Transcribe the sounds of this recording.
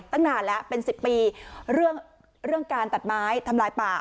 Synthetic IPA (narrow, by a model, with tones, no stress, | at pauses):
t̪a˥˩ŋnaː˧nlɛ˦˥pe˧nsi˨˩pːiː˧ɾɯ˥˩əŋ | ɾɯ˥˩əŋkaː˧nt̪a˨˩t̪̚maː˦˥jt̪ʰa˧mlaː˧jpaː˨˩